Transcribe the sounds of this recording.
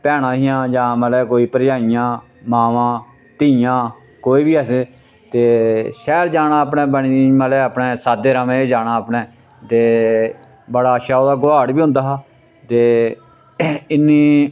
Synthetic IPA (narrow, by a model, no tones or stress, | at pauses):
pɛːɽ̃ãːɦijãːd͡ʒãːməlɛːkoːiːpəɾjaːijãː | maːʋãː | t̪iːjãː | koːiːbiːəseː | t̪eːʃɛːld͡ʒaːnaːaːpnẽːbəɳiməlɛːaːpneːsaːd̪eːɾamẽːd͡ʒaːɽaːapnɛː | t̪eː | bəɽaːʃaːoːd̪aːɡʊaːɽbiːʊ̃nd̪aːɦaː | t̪eː | ɪnːiː